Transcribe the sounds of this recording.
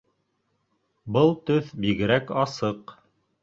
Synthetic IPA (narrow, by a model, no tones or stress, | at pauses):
bɤlˠt̪ɵθbiɣɘ̆ɾækɑsɤq